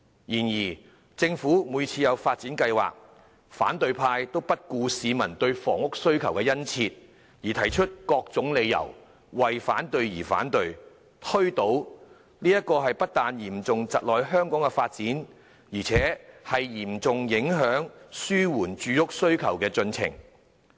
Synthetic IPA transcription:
jiː˨˩njiː˨˩ | t͡sɪ˧ŋfuː˨˥muː˨˧jt͡sʰiː˧jɐ˨˧wfaː˧t̚t͡siː˨˥nkɐ˧jwa̰ː˨k̚ | fa̰ː˨˥nt̪ɵ˨˧ɥpʰaː˧jt̪o˥wpɐ˥t̚kuː˧siː˨˧mɐ˨˩nt̪ɵ˧ɥfɔː˨˩ŋʊ˥k̚sɵ˥ɥkʰɐ˨˩wkɛː˧jɐ˥nt͡sʰiː˧t̚ | jiː˨˩t̪ʰɐ˨˩jt͡ʃʰɵ˥t̚kɔː˧k̚t͡sʊ˨˥ŋle˨˧jːɐ̰˨˩w | wɐ˨jfaː˨˥nt̪ɵ˧ɥjiː˨˩fa̰ː˨˥nt̪ɵ˧ɥ | t̪ʰɵ˥ɥt̪o˨˥w | niː˥jɐ˥t̚kɔː˧ɦɐ˨jpɐ˥t̚t̪aː˨njiː˨˩mt͡sʊ˨ŋt͡sɐ˨t̚lɔː˨jɦœː˥ŋkɔː˨˥ŋkɛ˧faː˧t̚t͡siː˨˥n | jiː˨˩t͡sʰɛː˨˥hɐ˨jjiː˨˩mt͡sʊ˨ŋjɪ˨˥ŋɦœː˨˥ŋsyː˥wuː˨˩nt͡ʃyː˨˧jʊ˥k̚sɵ˥ɥkʰɐ˨˩wkɛː˧t͡sɵ˧nt͡sʰɪ̰˨˩ŋ

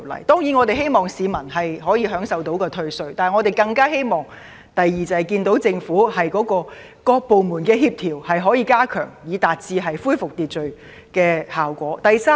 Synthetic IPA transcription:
lɐ̰˨˩jt̪ɔː˥ŋjiː˨˥nŋɔ˨˧t̪e˨jɦe˥jmɔː˨˩ŋsiː˨˧mɐ˨˩nɦɐ˨jɦɔː˨˥jiː˨˧ɦœː˨˥ŋsɐ˨wt̪o˨˥wkɔː˧t̪ʰɵ˧ɥsɵ˨˧ɥt̪aː˨ŋɔː˨˧t̪e˨jkɐ˧ŋkaː˥ɦe˥jmɔː˨ŋ | t̪ɐ˨jːiː˨t͡sɐ˨˩hɐ˨˩jkiː˧nt̪o˨˥wt͡sɪ˧ŋfuː˨˥hɐ˨jkɔː˨˥kɔː˧ | kɔː˧k̚po˨wmuː˨˩nkɛː˧ɦiː˧p̚t̪ʰiː˨˩whɐ˨jɦɔː˨˥jiː˧kaː˥kʰœ̰ː˨˩ŋjiː˨˧t̪aː˨t̚t͡siː˧ɦɐ˨jfuː˥jfʊ˨k̚t̪iː˨t̚t͡ʃɵ˨ɥ | kɛː˧haː˨wkʷɔː˨˥t̪ɐ˨jsaː˥

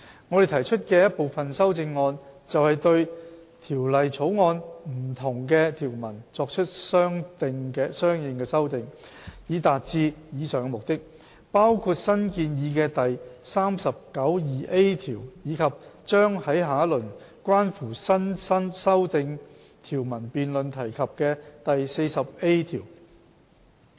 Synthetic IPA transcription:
ŋɔ˨˧ɾe˨˩t̪ʰɐ˨˩jt͡ʃʰɵ˥t̚kɛː˧jɐ˥t̚po˨wfɐ˨˩nsɐ˥wt͡sɪ˧ŋːɔː˧nt͡sɐ˨whɐ˨jt̪ɵ˧ɥ | t̪ʰiː˨˩wlɐ˨jt͡sʰo˨˥wŋɔː˧nm̩˨˩t̪ʰʊ˨˩ŋkɛː˧t̪ʰiː˨˩wmɐ̰˨˩nt͡sɔː˧k̚t͡ʃʰɵ˥t̚sœː˥ŋt̪ɪ˧ŋkɛ˧sœː˥ŋjɪ˨ŋkɛː˧sɐ˥wt̪ɪ˧ŋ | jiː˨˧t̪aː˨t̚t͡siː˨˧jiː˨˧sœː˨ŋ˧mʊ˨k̚t̪ɪ˥k̚ | paː˥wkʰuː˧t̚sɐ˥nkiː˧njiː˨˧kɛː˧t̪ɐ˨jsaː˥msɐ˨p̚kɐ˨˥wjiː˨˩ʔe˥jt̪ʰiː˨˩wjiː˨˧kʰɐ˨p̚t͡ʃœː˥ŋhɐ˨˥jɦaː˨˥lɵ˨˩n | kʷwaː˥nfuː˨˩sɐ˥nsɐ˥nsɐ˥wt̪ɪ˧ŋ | t̪ʰiː˨˩wmɐ˨˩npiː˨nlɵ˨nt̪ʰɐ˨˩jkʰɐ˨p̚kɛ˧t̪ɐ˨jse˧jsɐ˨p̚e˥jt̪ʰiː˨˩w

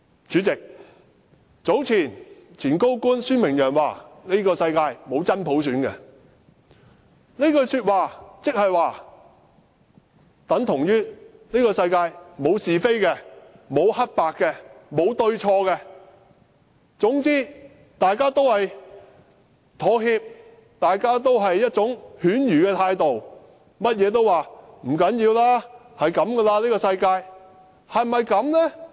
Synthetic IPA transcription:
t͡syː˨˥t͡sɪ˨k̚ | t͡so˨˥wt͡sʰiː˨˩nt͡sʰiː˨˩nko˥wkuː˥nsyː˥nmɪ˨˩ŋjœː˨˩ŋwaː˨ne˥jkɔː˧sɐ˧jkaː˧jmo˨˧wt͡sɐ˥npʰo˨˥ws̬yː˨˥nkɛ˧ | ne˥kɔː˧syː˧t̚waː˨˧t͡sɪ˥k̚hɐ˨jwaː˨ | t̪ɐ˨˥ŋt̪ʰʊ˨˩ŋjyː˥ | ne˥kɔː˧sɐ˧jkaː˧jmo˨˧wsiː˨fe˥jkɛ˧mo˨˧whɐ˥t̚paː˨kːɛ˧mo˨˧wt̪ɵ˧ɥt͡ʃʰɔː˧kɛ˧ | t͡sʊ˨˥ŋt͡siː˥ | t̪aː˨jkaː˥t̪o˥whɐ˨j | t̪ʰɔː˨˥ɦiː˧p̚ | t̪aː˨jkaː˥t̪̬o˥wɦɐ˨jːɐ˥t̚t͡sʊ˨˥ŋhyː˨˥njyː˨˩kɛː˧t̪ʰaː˧jt̪o˨w | mɐ˥t̚jɛː˨˧t̪̬o˥waː˨˩m̩˨˩kɐ˨˥njiː˧wlaː˥ | hɐ˨jkɐ˨˥mɡɛ˧laː˧liː˥kɔ˧sɐ˧jkaː˧j | hɐ˨jmmɐ˨jkɐ˨˧˥mlɛ˥

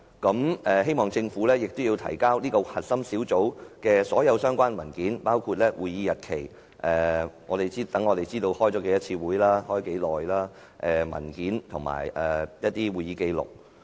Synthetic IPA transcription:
kɐ˨˧˥mɛː˨˩he˥jmɔː˨ŋt͡sɪ˧ŋfu˨˥lɛː˥jɪ˨k̚t̪ʊ˥wji˧wt̪ʰɐ̰˨˩jkaː˥wniː˥kɔ˧hɐ˨t̚sɐ˥msiː˨˥wt͡so˨˥wkɛː˧sɔː˨˥jɐ˨˧wsœː˥ŋkʷaː˥nmɐ˨˩nkiː˨˥npaː˥wkʰuː˧t̚lɛː˥wʔuː˨jiː˨˧jɐ˨t̚kʰe˨˩j | ʔɛː˨˩ŋɔ̰ː˨˧ɾe˨jt͡siː˥t̪ɐ˨˥ŋɔː˨˧t̪e˨jt͡siː˥t̪o˧whɔː˥jt͡sɔː˨˥ke˨˥jɐ˥t̚t͡sʰiː˧wuː˨˥jlaː˥hɔː˥jke˨˥jlɔː˨jlaː˥ | ʔɛː˨mɐ̰˨˩nkiː˨˥nt̪ʰʊ˨˩ŋma̰ː˨˩jʔɛ˨˩jɐ˥t̚t̪iː˥wuː˨jiː˨˧ke˧jlʊ̰˨˩k̚

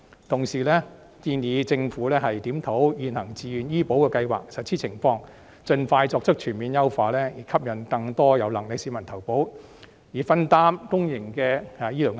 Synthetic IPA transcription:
t̪ʰʊ˨˩ŋsiː˨˩lɛː˥ | t̪iː˧njiː˨˧t͡sɪ˧ŋfuː˨˥lɛː˥ɦɐ˨jt̪iː˨˥mt̪ʰo˨˥wjyː˨nhɐ˨˩ŋt͡siː˨jyː˨˧njiː˥po˨˥wkɛː˧kɐ˧jwa̰ː˨ksɐ˨t̚t͡sʰiː˥t͡sʰɪ˨˩ŋfɔː˧ŋ | t͡sɵ˧nfaː˧jt͡sɔː˧k̚t͡ʃɵ˥k̚t͡ʃʰyː˨˩nmiː˨˧njɐ˥wfaː˧lɛː˥jiː˨˩kʰɐ˥p̚jɐ˨˩nkɐ˧ŋt̪ɔː˥jɐ˨˧wlɐ˨˩ŋlɪ˨k̚siː˨˥mɐ˨˩nt̪ʰɐ˨˩wpo˨˥w | jiː˨˩fɐ˥nt̪aː˥mkʊ˥ŋjɪ˨˩ŋkɛː˧ha˨jiː˥lɔː˨˩ŋ

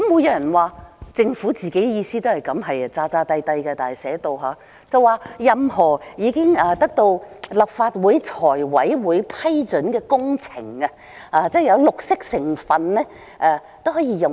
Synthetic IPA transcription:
kmːʊ˨˧˥jɐ˨˧˥wjɐ˨˩nwaː˨˩t͡sɪ˧ŋfu˨˥t͡siː˨ke˨˥jjiː˧siː˥t̪o˥whɐ˨˩jkɐ˨˧˥mɦɐ˨jt͡saː˧t͡saː˧t̪ɐ˧jt̪ɐ˧jkɐ˧t̪aː˨˩˨sɛː˨˥t̪o˨˧wɦaː˨˥ | t͡sɐ˨˧waː˧jɐ˨mɦɔː˨˩jiː˨˧kɪ˥ŋaː˨˧t̪ɐ˥k̚t̪o˧wlɐ˨˩p̚faː˧t̚wuː˨˧jt͡sʰɔː˨˩jwɐ˨˥jwuː˨˧jpʰɐ˥jt͡ʃɵ˨˥nkɛː˧kʊ˥ŋt͡sʰɪ̰˨˩ŋɐ˧ | haː˨˧t͡sɛː˥˩jɐ˨˧wlʊ˨k̚sɪ˥k̚sɪ˨˩ŋfɐ˨nnɛː˥ | ʔɛː˧t̪o˥wɦɔː˨˥jiː˧jʊ˨

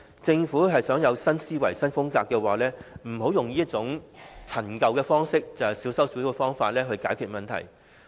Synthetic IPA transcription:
t͡sɪ˧ŋfuː˨˥ɦɐ˨jsœː˨˥ŋjɐ˨˧wsɐ˥nsiː˥wɐ˨˩jsɐ˥nfʊ˥ŋkaː˧kːɛː˧waː˨lɛː˥m̩˨˩ho˨˥wjʊ˨ŋjiː˥ɐ˥t̚t͡sʊ˨˥ŋt͡sʰɐ˨˩nkɐ˨˧wkɛː˧fɔː˥ŋsɪ˥k̚t͡sɐ˨whɐ˨jsiː˨˥wsɐ˥wsyː˨˥ɛ˧fɔː˥ŋfaː˧t̚lɛː˥ɦɵ˧ɥkaː˨˥jkʰyː˨t̚mɐ˨nt̪ʰɐ̰˨˩j

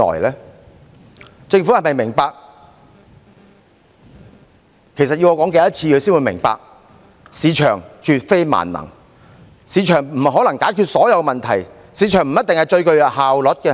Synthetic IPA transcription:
ɔ̰ː˨˩jlɛː˥ | t͡sɪ˧ŋfu˨˥hɐ˨jmɐ˨jmɪ˨˩ŋpaː˧k̚ | kʰe˨˩jsɐ˨t̚ji˧wɔː˨˧kɔː˨˥ŋke˨˧jɐ˥t̚t͡sʰiː˧kʰɵ˧siː˥nwu˨˧jmɪ̰˨˩ŋpa̰ː˧k̚ | siː˨˧˥t͡ʃʰœ̰ː˨˩ŋt͡ʃʰyː˧t̚fe˥jma̰ː˨˩nːɐ̰˨˩ŋ | siː˨˥t͡ʃʰœː˨˩ŋm̩˨˩ɦɔː˨˥lɐ˨˩ŋkaː˨˥jkʰyː˧t̚sɔː˨˥jɐ˨˧wmɐ˨nt̪ʰɐ˨˩j | siː˨˧˥t͡ʃʰœː˨˩ŋm̩˨˩jɐ˥t̪̚ɪ˨ŋhɐ˨˩jt͡ʃɵ˧ɥkɵ˧ɥhaː˨wlɔ˨˥t̚kɛ˧

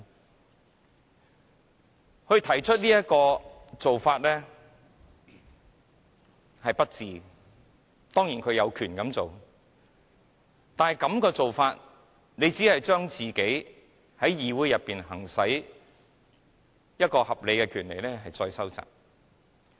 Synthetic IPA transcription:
hɵ˧ɥt̪ʰɐ˨˩jt͡ʃʰɵ˥t̚liː˥jɐ˥t̚kɔː˧t͡so˨wfaː˧t̚lɛː˥ | hɐ˨jpɐ˥t̚t͡siː˨˧ | t̪ɔː˥ŋjiː˨˩nkʰɵ˨˧ɥjɐ˨˧wkʰyː˨˩nkɐ˨˧mt͡so˨w | t̪aː˨nhjkɐ˨˥mkɔː˧t͡so˨wfaː˧t̚ | ne˨˧jt͡siː˨˥hɐ˨jt͡ʃœː˥ŋt͡siː˨ke˨˥j | hɐ˨˥jjiː˨˧wuː˨˥jɐ˨pːiː˨nɦɐ˨˩ŋsɐ˨˥j | jɐ˥t̚kɔː˧hɐ˨p̚le˨˧jkɛː˧kʰyː˨˩nlḛ˨˩jlɛː˥ɦɐ˨jt͡sɔː˧jsɐ˥wt͡sa̰ː˨k̚

